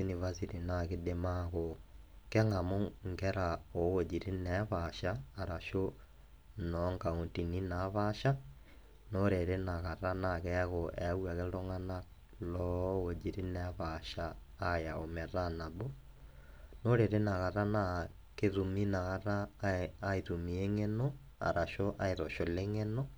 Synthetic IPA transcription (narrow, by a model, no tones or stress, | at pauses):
sinivasitinakidemaɣokeŋamoŋɡɛɾaowod͡ʒiɾinɛβaʃaːɾaʃo | nɔŋɡauntininaβaʃa | noɾeɾenaɣaɾanakɛɣoʔewaɣeloŋana | lɔɣod͡ʒiɾinɛβaʃaː | jaomɛɾanaβo | noɾeɾenaɣaɾana | keðuminaɣaɾaː | iðumieŋeno | a̰ɾaʃoʔaeðoʃoleŋeno